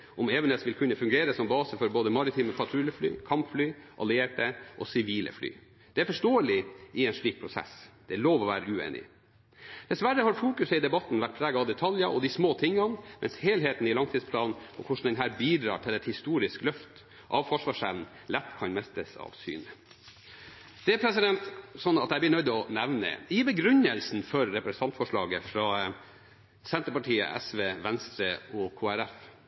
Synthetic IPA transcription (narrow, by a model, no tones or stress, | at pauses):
ʔɔmeːʋɛnd̪əsʋɪlkʰʉnːəfʉŋɡeːɾəsɔmbɑːsəfɔɾboːd̪əmɑɾɪt̪ʰiːməpʰɑt̪ʰɾʉləfly̰ːkʰɑmpflyːʔɑ̰lɪeːʈəʔɔsɪʋiːlʔə̰fly̰ː | d̪̥ɛæɾfɔʂʈoːəlɪɪɛːnʂɭiːk̚pʰɾʊsɛ̰sd̪̥ɛæloːʋɔʋæːɾəʉːḛːnɪ̰ | d̪̥ɛsʋæɾːəhɑɾfuːkʉsəɪd̪ɛbɑt̪n̩ʋæʈ̚pʰɾæːɡɑɑʋd̪ɛt̪ʰɑljəʔɔd̪ɪsmoːt̪ʰɪŋːɑnmʔɛ̰nsheːlɦeːt̪n̩ɪlɑŋt̪ʰiːd̪spʰlɑːlnʰɔkʰʊʂɳ̩d̪ɛnɦæːɾbiːd̪ɾɑ̰ːʈʰɪlɛt̪hɪst̪uːɾɪsklœft̪ | ʔɑʋfɔʂʋɑːʂɛʋn̩ | lɛt̪ːkʰɑnmɛst̪əsɑ̰ʋsy̰ːnə | d̪̥ɛɛpʰɾɛsɪd̪ɛnt̪sɔnːɑt̪jæɪb̪lɪnœʏd̪ɔnɛʋnə̰ɪbəɡɾʉnːəlsn̩fɔɾːɛpɾɛst̪ʰɑnt̪fɔʂɭɑ̰ːɡəfɾɑː | sɛnt̪əɾpɑʈʰiːə̰ʔɛ̰sʋeːʋɛnst̪ɾəɔkʰoːæɾæf